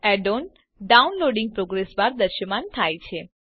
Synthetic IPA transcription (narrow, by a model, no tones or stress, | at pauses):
ɛɖon | ɖaunloɖɪ̃ŋɡ̚pɾoɡɾesbaɾd̪əɾʃəmant̪ʰajt͡ʃʰe